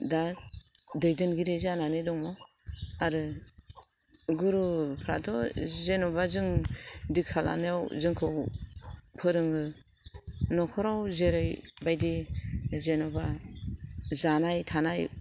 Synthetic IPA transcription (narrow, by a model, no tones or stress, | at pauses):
da | dɯjdɯnɡiɾezananedɔŋmɔ | aɾɯ | ɡuɾupʰɾa̰tʰɔzenɔbazɯŋdikʰala̰neawzɯŋkʰɯw | pʰɯɾɯŋɯ | nɔkʰɔɾawzeɾɯjbajdizenɔba | zanajtʰanaj